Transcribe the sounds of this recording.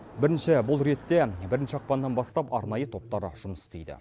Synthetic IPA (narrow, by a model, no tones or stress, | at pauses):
bɪɾɪnʃɪbʊlˠɾe̞t̪ːebɪɾɪnʃɪɑq̚pɑnd̪ɑnbɑst̪ɑpɑɾnɑjət̪ʰo̞p̚t̪ɑɾəʒ̥ʊməsɪ̥st̪ejd̪ɪ̰